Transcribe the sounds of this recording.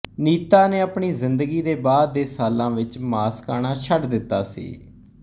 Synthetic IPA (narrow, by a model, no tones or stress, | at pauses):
niːt̪aːneːəːpɳiːzɪnd̪əɡiːd̪eːbaːd̪̚ːeːsaːlãːʋɪt͡ʃmaːskaːɽ̃aːt͡ʃʰəɖd̪ɪt̪ːaːsḭː